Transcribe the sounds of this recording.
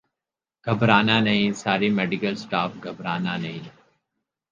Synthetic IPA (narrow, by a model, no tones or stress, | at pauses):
ɡ̥ʱɐbɾaːnanɐɦĩsaːɾimeːɖɪkəlsʈaːfɡʱɐbɾaːnanɐɦĩ